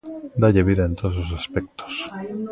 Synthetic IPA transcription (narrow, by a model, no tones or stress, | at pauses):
d̪aʎeβiðaent̪oðos̬os̬aspek̚t̪o̥s